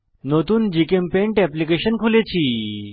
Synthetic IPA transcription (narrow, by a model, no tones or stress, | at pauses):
not̪uːnd͡ʑikempẽɳʈɛplikeɕənkʰulet͡ɕʰiː